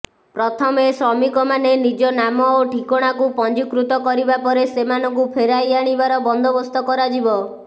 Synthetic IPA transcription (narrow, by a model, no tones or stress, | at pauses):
pɾɔt̪ʰɔmesɔmikɔmanenid͡ʒɔnamɔoʈʰikɔɽ̃akupɔnd͡ʒikɾut̪ɔkɔɾibapɔɾesemanɔŋkupʰeɾajaɽ̃ibaɾɔbɔnd̪ʱɔbɔst̪ɔkɔɾad͡ʒibɔ